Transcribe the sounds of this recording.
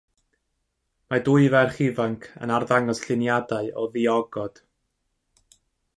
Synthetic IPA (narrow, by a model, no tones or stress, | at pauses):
madʊɨvɛrχɪvaŋkʰə̰narðaŋɔsɬɪnjadaɨɔðiɔɡɔd̥